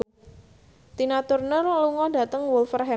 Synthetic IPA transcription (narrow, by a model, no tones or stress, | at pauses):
t̪inat̪ʊrnərluŋɔda̤t̪əŋwʊlfərɦɛ